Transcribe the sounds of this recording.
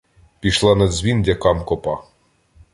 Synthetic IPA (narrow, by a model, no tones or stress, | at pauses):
pʲiʃlˠɑnɐd̪zʲʋʲindʲɐkɑmkɔpɑ